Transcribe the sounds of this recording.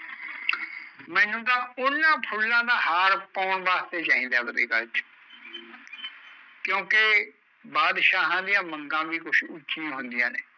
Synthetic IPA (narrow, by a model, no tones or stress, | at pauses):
mɛ̃ːnũːd̪ãːʊnːãːpʰʊlːãːd̪aːɦaːɾpɔːɳʋaːst̪eːt͡ʃaːĩːd̪aːbəɾeːkəlt͡ʃ | kjõːke | baːd̪ʃaːɦãːd̪ɪjãːməŋɡãːʋiːkʊʃʊt͡ʃiãːɦʊnd̪ɪjãːnḛː